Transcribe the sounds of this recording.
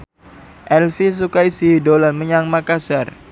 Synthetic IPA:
ʔɛlfis̬ukaisidolanməɲaŋmakasar

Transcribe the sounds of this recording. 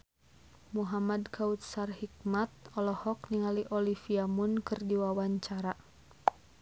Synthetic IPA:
muɦamadkʰaut̪̚sarhik̚mat̪̚ɔlɔhɔk̚niŋaliʔɔlifiamunkɨrdiwawaɲt͡ʃaɾa

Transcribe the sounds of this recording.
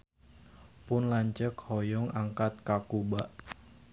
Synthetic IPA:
pʊnlaɲt͡ʃəkhɔjɔŋaŋkat̪̚kakubaʔ

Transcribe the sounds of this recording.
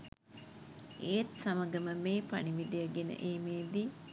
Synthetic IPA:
eːt̪saməɡəməmeːpa̰niʋid̪ijəɡenə̰ʔeːmeːd̪i

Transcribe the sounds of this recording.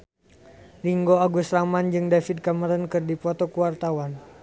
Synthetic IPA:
riŋɡoaɡusɾamand͡ʒɨŋdafid̚kaməɾənkɨrdipɔt̪ɔkuwart̪awan

